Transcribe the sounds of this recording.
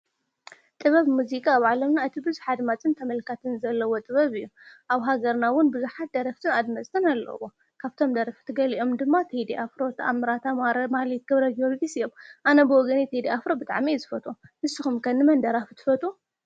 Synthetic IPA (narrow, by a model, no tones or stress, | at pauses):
t̪ʼɨβɐβmuzikʼaːβʕalɐmnaɨt̪ʰibɨzuħad̪mat͡sʼɨnt̪ʰɐmɐlkʰat̪ʰɨnzɐlːɐwot̪ʼɨβɐβɨjːuʔaβɦaɡɐɾnawʊnbɨzuħat̪̚d̪ɐɾɐft̪ʰɨnad̪mɐsʼt̪ʰɨnalːɐ̰wo | kʰaβt̪ʰo̞md̪ɐɾɐft̪ʰɨɡɐliʔo̞md̪ɨmːat̪ʰed̪iʔafɾot̪ʰɐʔa̰mɨɾat̪ʰamahlt̪̚ɡɐβɾɐdolɡisɨjomʔanɐbɨwɔɡɐnit̪ʰed̪iafɾobɨt̪ʼa̰ʕmizɨfɐt̪ʼunɨsɨxumkʰɐnːɨmɐnd̪ɐɾafɨt̪ʰɨ̥fɐt̪ʼu